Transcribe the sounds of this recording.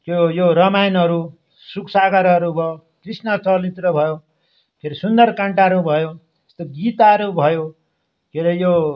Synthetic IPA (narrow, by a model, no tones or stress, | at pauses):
kjojoɾʌmajnʌɾu | suksaɡʌɾʌɾubʱʌ | krisnʌt͡sʌlit̪rʌbʱʌjo | pʰeɾisund̪ʌrkaɳʈaɾubʱʌjote̥st̪oɡit̪aɾubʱʌjo | kʰeɾʌjo